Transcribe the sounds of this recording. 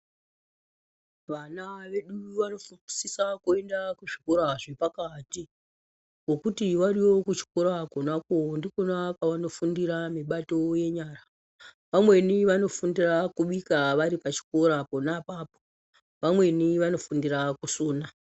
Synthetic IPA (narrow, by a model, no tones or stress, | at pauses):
ʋanaʋe̞ɗuʋano̞fuisisakue̞ndakuʐikoɾaʐepakati | wo̞kutiʋariwo̞kut͡ʃi̥ko̞ɾakonakondikonakaʋano̞fundiɾamiɓato̞je̞ɲaːra | ʋamwe̞niʋano̞fundirakuɓikaʋaɾipat͡ʃi̥ko̞ɾaponapapo | ʋamwe̞niʋano̞fundirakusuːna